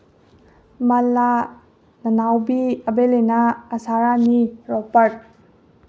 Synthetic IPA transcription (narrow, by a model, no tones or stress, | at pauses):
mɐla | nɐnawbiɐbelenaːsaɾaniɾɔpəɾʈ̚